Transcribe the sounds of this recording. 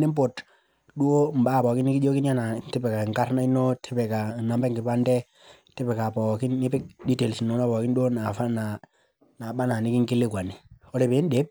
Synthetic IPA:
ni˦m˦po˨t | ɗu˦o˦m̩˨baː˦˨pɔ˨ki˦ni˦ki˦d͡ʒo˦ki˦na˦na˨ti˦pɛ˨ka˨ŋka˦ɾna˦i˦no˦tʰi˦pɛ˨ka˨na˨mbɛ˦ŋɡɪ˨pa˦ndɛ˦ | tɛ˦pɛ˨ka˨pɔ˨kɪ˦nːɪ˦pɪ˦k̚di˦te˨lsi˨nɔ˦na˦pɔ˨kɪ˦n˦ɗu˦o˦na˨fa˦na˨ | na˨ɓa˦na˨ni˨˦ki˦ŋki˦le˦kwa˨ni˨ɔ˦ɾɛ˨pe˨˦n˦de˨˦p̚

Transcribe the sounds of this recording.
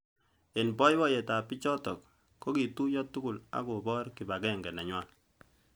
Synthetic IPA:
e˨nbɔ˦jwɔ˦je˨ta˨pɪ˦t͡ʃɔ˦tɔ˨kː | o˦ki˨tu˦jɔ˦tu˦kʊ˦˨la̰˦ko˨bɔ˦ɾki˨ba˨kɛ˦ŋɡɛ˨na˨ɲwa˦l

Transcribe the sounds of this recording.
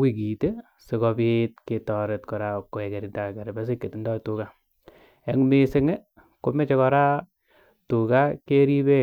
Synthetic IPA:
wi˨k̬i˨te˦ | se˨kɔ˧bit̚ke˨tɔ˨ɾe˨tkɔ˨ɾa˦ko˨e˨kɛ˨ɾi˨nda˨kɛ˨ɾɛ˨bɛ˦s̬e˦kːe˨ti˨ndɔ˦tu˨ka˦ | ɛ˨ŋme˦sɪ˦ŋe˦ | ko˨˦me˦t͡ʃɛ˦kɔ˧ɾa˦ | tu˨ka˦ke˦ɾi˦be˦

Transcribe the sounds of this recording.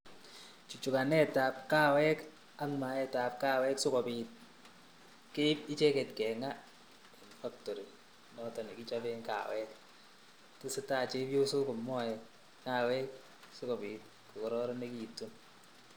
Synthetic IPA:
t͡ʃu˨t͡ʃu˨ka˨nɛ˦ta˨p̚ka˦wɛ˦k | a˦nma˨ɛ˦ta˨p̚ka˦wɛ˦ksʊ˦kɔ˨piːt̚ | ke˦pi˦t͡ʃɛ˦kɛ˨tkɛ˨ŋa˦ | i˨nfa˦ktɔ˨ɾi˨ | nɔ˦tɔ˨ni˨ki˦t͡ʃabeŋka̰˨wɛ˦k | ti˦sɪ˦taː˦˨t͡ʃe˦bjo˦so˦kɔ˨mːɔ˦jɛ˨ | ŋaːwɛ˦k̚ | sʊ˦kɔ˨biː˨t̚ | ku˨kɔ˨ɾɔɾɔ˦ne˦ki˨tːu˦n

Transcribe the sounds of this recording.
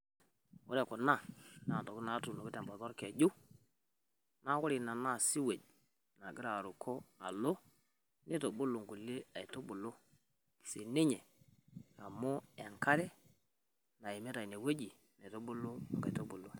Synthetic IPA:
wu˦ɾe˨kɔ˨na˦˨na˨to˨ku˦na˨˦tu˨no˨ki˦te˨mba˨to˦ɾke˨ɟu˦ | na˦wo˦ɾi˨na˨na˦˨si˦we˨ɟ | na˨ɡi˦ɾa˨ɾu˨kʰo˦na̰˨lo˦ | ne˦to˨ɓu˦lo˨ŋɡu˨le˦a˨i˨to˦ɓu˨lo˦ | se˨ne˦ɲe˨ | a˨mo˦˨a˨ŋka˦ɾɛ˦ | na˨e˨me˦ta˨i˨ne˨we˦d͡ʒi˨ | ne˨to˦ɓu˦lo˦˨ŋɡa̰˨i˨to˦ɓu˨lo˨

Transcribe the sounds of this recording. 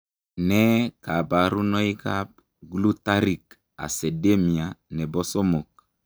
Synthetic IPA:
nɛ˦ka˨ba˨ɾu˦nɔ˦i˦kap̚ | ɡlu˦ta˦ɾi˨k | a̰˨se˨de˦mi˨a˨nɛ˨bɔ˦so˦mo˨k

